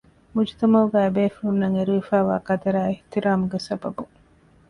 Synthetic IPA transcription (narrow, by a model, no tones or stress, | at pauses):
mud͡ʒit̪ɐmɐɡæːbeːfuunnɐŋeɾuʋifæːʋa̰ːkɐt̪ɐɾæːeht̪iɾaːmuɡesɐbɐ̰bu